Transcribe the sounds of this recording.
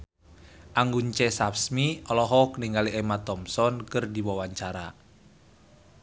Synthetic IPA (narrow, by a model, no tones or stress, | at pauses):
ʔaŋɡuɲt͡ʃɛsapsmiɔlɔɦɔkniŋɡaliʔɛmat̪ɔmsɔnkɨrdiwawaɲt͡ʃaɾa̰